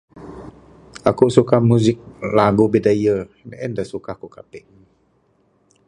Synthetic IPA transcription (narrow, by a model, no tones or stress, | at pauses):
akusukamuzik̚laɡobidajə | nʔɛndasukahkukapɛʔ